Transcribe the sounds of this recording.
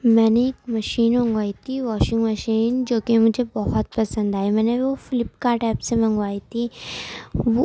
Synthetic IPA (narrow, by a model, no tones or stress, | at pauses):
mɛːneeːkmɐʃiːnmɐ̃ŋɡʋaːit̪ʰiʋɔːʃɪ̃ŋɡmɐʃiːnd͡ʒoːkemʊd͡ʒʱebɔɦɔt̪pɐsə̃nd̪aːemɛ̃ːneʋofɪlɪpkaʈɛːpsemɐ̃ŋɡʋaːit̪ʰi | ʋo